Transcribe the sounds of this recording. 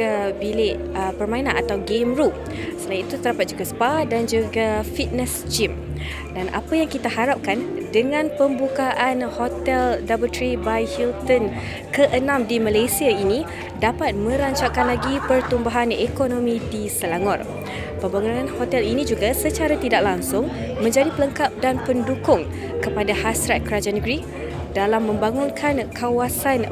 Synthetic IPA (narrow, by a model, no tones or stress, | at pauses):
abilɪʔ | əpərmãinãnat̪awɡemɾu | səlajnit̪ut̪ədapat̪̚d͡ʒuɡaspadand͡ʒuɡafit̪̚nɛst͡ʃim | danʔa̰pajaŋkit̪ahaɾap̚kandəŋãnpəmbukaʔanhot̪ɛldabəlt̪ɾibajhilt̪ɔn | kəʔənãmdimalajsiaini | dapat̪̚mə̃ɾaɲt͡ʃaʔkanlaɡipərt̪umbaɦanekonõmĩdisəlaŋɔr | pəmbaŋunãnhot̪ɛlinĩd͡ʒuɡasət͡ʃaɾat̪idak̚laŋsʊŋmə̃ɲd͡ʒadipələŋkap̚danpəndukʊŋ | kəpadahasɾat̪̚kəɾad͡ʒanəɡɾi | dalamːə̃mbaŋʊnkʰankawasan